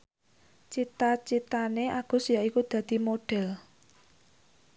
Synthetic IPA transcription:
t͡ʃit̪at͡ʃit̪aneʔaɡ̥ʊ̤sjaikud̪̥ä̤d̪̥i̤moɖ̥ɛ̤l

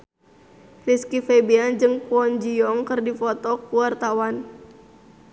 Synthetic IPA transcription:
riskifɛbiand͡ʒɨŋpɔnd͡ʒiɔŋkɨrdifɔt̪ɔkuart̪awan

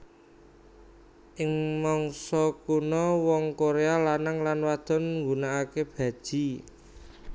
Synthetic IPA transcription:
ʔɪŋmɔŋsɔkunɔwɔŋkoɾealanaŋlanwad̪̥ɔ̤nŋɡunaːkeb̥ä̤d̥ʒ̥i̤

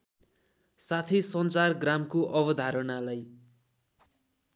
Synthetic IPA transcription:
sat̪ʰisʌnt͡sarɡramkoʔʌbʌd̪ʱaɾʌnalaj

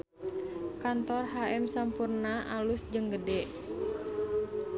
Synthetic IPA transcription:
kant̪ɔrɦaɛmsampurnaʔalusd͡ʒəŋɡədɛʔ

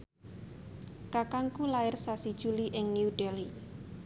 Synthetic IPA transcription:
kakaŋkulaɪrsasid̥ʒ̥uliʔɪŋnjuɖeli

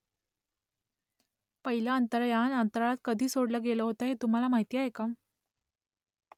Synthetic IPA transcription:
pəɦilaənt̪əɾjanant̪ɾɭat̪̚kəd̪ʱiːsoɽləɡeləɦot̪aɦet̪um̤alamaɦit̪ijaɦekam

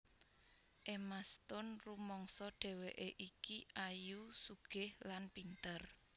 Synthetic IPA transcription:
ʔemast̪ʊnrumɔŋsɔɖ̥ɛ̤weʔeʔikiʔajusuɡ̥ɪhlanpint̪ər

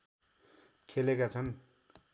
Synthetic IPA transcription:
kʰelekat͡sʰʌn

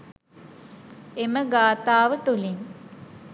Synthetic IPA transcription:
eməɡaːt̪aːʋət̪uliŋ

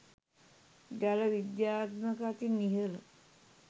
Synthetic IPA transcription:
ɡæləʋid̪jaːt̪məkat̪iniɦələ

